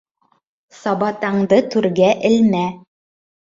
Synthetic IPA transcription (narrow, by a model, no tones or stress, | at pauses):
sɑbɑt̪ɑɴd̪ɤt̪ʉɾɡæʔɘ̆lmæ